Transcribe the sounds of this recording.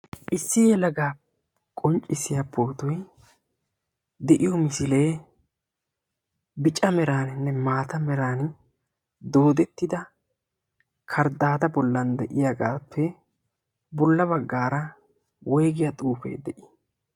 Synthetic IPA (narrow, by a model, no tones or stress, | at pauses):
ʔɪsːɪjɛlɐɡaː | kʼɔnt͡ʃʼɪsɪjɐpːoːt̪ʊj | d̪ɛʔɪjɔmɪsɪle̞ː | bɪt͡ʃʼɐmɛɾaːnɪnːɛmaːt̪ɐmɛɾaːn | d̪o̞ːd̪ɛt̪ːɪd̪ɐ | kʰɐɾd̪aːd̪ɐbɔlːɐnd̪ɛʔɪjaɡaːpʰːɛ | bɔlːɐbɐɡːaːɾɐ | wɔjɡɪjɐt̪ʼuːfḛːd̪ɛʔɪ̥